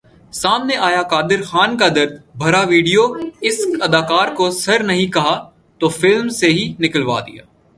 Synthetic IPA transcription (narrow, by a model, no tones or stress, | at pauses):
saːmneʔaːjakaːd̪ɪɾxaːnkad̪ɐɾd̪̚bʱɐɾaʋiːɖijoɪsɐd̪aːkaːɾkosɐɾnɐɦĩkɐɦa | t̪ofɪlmseɦinɪkəlʋa̰ːd̪ḭja̰ː